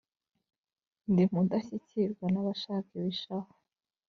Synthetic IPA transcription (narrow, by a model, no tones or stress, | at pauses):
ndim̥udaçiciɾɡwanaβaʃaːkiwiʃahḁ